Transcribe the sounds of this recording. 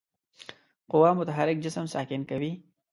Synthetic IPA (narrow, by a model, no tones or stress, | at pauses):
qʊwɑːmʊt̪aɦaɾɪk̚d͡ʒɪsəmsɑːkɪnkawi